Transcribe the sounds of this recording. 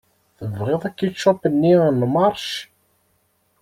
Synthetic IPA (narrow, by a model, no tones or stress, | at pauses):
θəvʁɪðˤækːit͡ʃːɑpənːinmɑɾˤʃ